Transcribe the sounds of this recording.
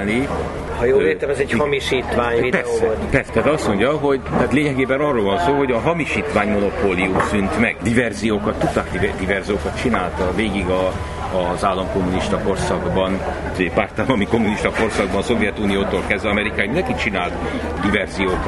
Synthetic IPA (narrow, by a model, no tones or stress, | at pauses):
ni | hɒjoːlleːt̪ɛmɛzɛchɒmiʃiːt̪ʋaːɲidpɛsɛpɛrsɛd̪ɛɒst̪mo̞ɲɟɒɦo̞ɟt̪aːt̪leːɲɛɡeːbɛnɒrːoːlvɒnsoːɦo̞ɟɒɦɒmiʃiːt̪ʋaːɲmo̞no̞poːlijumsynt̪mɛɡd̪ivɛrzijoːkɒt̪ːut̪ːakd̪id̪ivɛrzijoːkɒt̪t͡ʃinaːlt̪ɒveːɡiɡɒː | zaːlːɒmko̞mːuniʃt̪ɒko̞rsɒɡbɒn | zeːpaːrt̪aːlɒmikomːuniʃt̪ɒko̞rsɒɡ̚bɒnso̞vjɛt̪uːnijoːt̪oːlkɛzvɛɒmɛɾikaːjmind̪ɛŋkit͡ʃinaːlt̪d̪ivɛrzijoːk